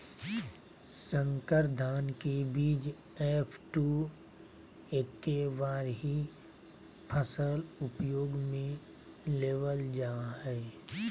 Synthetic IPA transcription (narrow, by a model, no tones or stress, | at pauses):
sə̃ŋkəɾd̪ʱaːnkebiːd͡ʒ | eːpʰʈu | eːkːeʋaːɾɦi | pʰəsəlʊpjoːɡmẽ | leːʋəld͡ʒaːɦɛː